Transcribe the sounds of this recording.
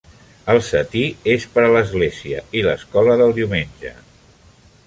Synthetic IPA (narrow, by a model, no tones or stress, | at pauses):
əlˠsət̪iespəɾələzɣleziə̰iləskɔləðəlˠd̪iwmenʲʒə̰